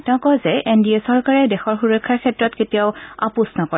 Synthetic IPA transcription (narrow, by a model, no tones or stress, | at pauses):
tɛ̃ʊ̃kɔjzɛʔendiesɔɹkaɹɛdɛxɔɹxuɹɔkʰːaɹkʰɛtɹɔtketiaʊa̰pusnɔkɔɹ